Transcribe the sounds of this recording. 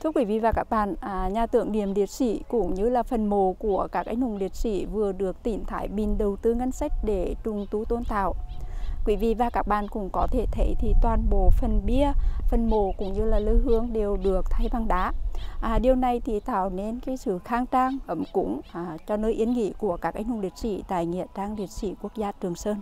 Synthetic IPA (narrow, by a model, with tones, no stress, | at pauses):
t̪ʰɨ˧əkwi˧˩˦vḭ˧˨˩vaː˨˩kaː˦˥k̚ɓa̰ː˧˨nː˨˩ɲaː˨˩t̪ɨ̰˧˨əŋnḭ˧˨əmli˨˩ət̚sḭ˧˩˦kʊ̰˧˥ŋ͡mɲɨ˧laː˨˩fə˨˩nmo˨˩ku˧˩əkaː˦˥k̚ʔa̰˨˦jŋ̟hʊ˨˩ŋ͡mli˨˩ət̚sḭ˧˥vɨ˨˩əɗɨ˨˩ək̚t̪i˧˩nt̪ʰaː˧˩˦jɓi˨˩nɗə˨˩wt̪ɨ˧ŋa˧jŋ̟sa˦˥jk̟̚ɗe˧˩t͡ɕʊ˨˩ŋ͡mt̪u˨˦t̪o˧nt̪a̰ː˧˨wkwi˧˩˦vḭ˧˨vaː˨˩kaː˦˥k̚ɓa̰ː˧˨nkʊ̰˧˥ŋ͡mkɔ˨˦t̪ʰe˧˩t̪ʰə˨˦jt̪ʰi˨˩t̪waː˨˩nɓo̰˧˨fə˨˩nɓi˧əfə˨˩nmo˧˩kʊ̰˧˥ŋ͡mɲɨ˧laː˨˩ləː˧˦jɦɨ˧˩əŋɗe˨˩wɗɨ˨˩ək̚t̪ʰa˧jɓa˨˩ŋɗaː˨˦ʔɗi˨˩əwna˨˩jt̪ʰi˨˩t̪aː˧˩˨wne˧nkaː˨˦jsɨ̰˧˨xaː˧ŋt͡ɕaː˧ŋʔə˧˩mkʊ̰˧˥ŋ͡mt͡ɕɔ˧nəː˧jʔi˨˦ənŋḭ˧˥ku˧˩əkaː˦˥k̚ʔa˧jŋ̟hʊ˨ŋ͡mli˨˩ət̚sḭ˧˩t̪aː˨jŋḭ˧˨ət͡ɕaː˧ŋli˨˩ət̚sḭ˧˩ku˦˥ək̚zaː˧t͡ɕɨ˨˩əŋsəː˧n